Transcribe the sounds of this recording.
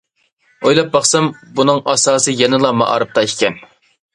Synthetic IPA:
ojlˠɑp̚bɑχsɑmbunɨŋɑ̰sɑːsɨjɛnɨlˠɑmɑ̰ʔɑ̰ːɾɨp̚t̪ɑikʲɛn

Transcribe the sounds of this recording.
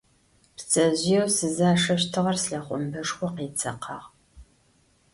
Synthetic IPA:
pt͡sʼɐʑɪjɛwsɨzaːʂɐɕtʰɨʁɐrsɬɐχʷʼʊmbɐʂxʷɔqeːt͡sʰʼɐqʰɑːʁ

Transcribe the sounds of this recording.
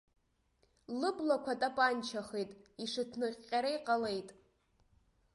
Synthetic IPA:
lɨblakʷʰatʼapʼant͡ʃʰaχejtʼiʂɨtʰnɨqːʲʼaɾaiqʼale̞jtʼ

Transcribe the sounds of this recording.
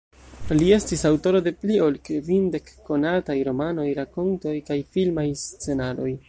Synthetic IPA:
lie̞stisawto̞ɾo̞de̞plio̞lkvinde̞kːo̞natajɾo̞mano̞jɾako̞nto̞jkajfilmajst͡se̞nalo̞j

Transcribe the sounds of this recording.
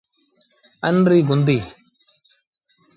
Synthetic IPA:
ənɾiːɡʊnd̪iː

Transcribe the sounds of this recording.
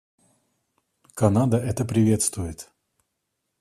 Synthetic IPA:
kɐnad̪əʔɛt̪əpɾʲɪvʲe̞t̪st̪vʊjɪt̪

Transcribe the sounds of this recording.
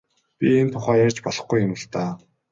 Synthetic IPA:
pʲient̪ʰʊχæːjærʲt͡ɕpɔɮɞ̆χɡujːʊmə̆ɬt̪aː

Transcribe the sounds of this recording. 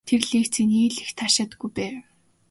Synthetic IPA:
t̪ʰerɮiːkt͡sʰĕniːɮixt̪ʰaʃaːt̪ə̆ɡujpæː

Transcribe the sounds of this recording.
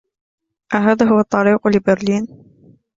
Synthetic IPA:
ʔaɦaːðaːɦʊwɑt̪ˤːɑɾiːqlɪbɪɾliːn

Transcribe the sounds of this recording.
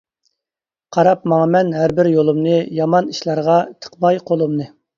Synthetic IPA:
qʰɑɾɑp̚mɑŋɑmɛnɦæɾbɪɾjolˠumnɨjɑmɑniʃlˠɑɾʁɑt̪ʰə̥qmɑjqʰolˠumnɨ

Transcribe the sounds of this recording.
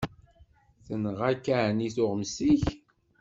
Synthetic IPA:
θənəʁækːæniθʊʁəmsiç

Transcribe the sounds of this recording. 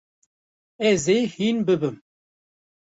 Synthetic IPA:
ɛzehinbɨbɨm

